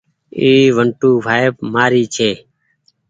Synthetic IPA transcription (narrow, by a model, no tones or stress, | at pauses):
iːʋəɳʈuːʋʱaːjepmaːɾiːt͡ʃʰeː